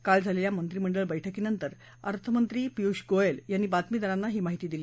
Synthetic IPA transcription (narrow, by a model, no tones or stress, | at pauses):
kald͡zʱaleljamənt̪ɾiːməɳɖəɭbəjʈʰəkiːnənt̪əɾ | ə̰ɾt̪ʰəmənt̪ɾiːpiuɕɡoeljanːiːbat̪miːd̪ʱəɾãnːaɦiːmaɦit̪iːd̪iliː